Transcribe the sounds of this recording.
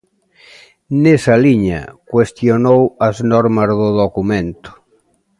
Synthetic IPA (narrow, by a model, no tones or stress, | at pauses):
nesaliɲa̰kwest̪jonowɐznɔɾmɐzðʊðokumẽnt̪ʊ̥